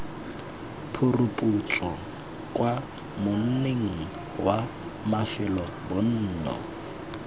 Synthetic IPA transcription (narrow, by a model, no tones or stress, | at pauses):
pʰʊrʊpʼut͡sʼɔ | kʼwa | mʊn̩neŋ̩ | wa | mafɪlɔbʊn̩ːnɔ̰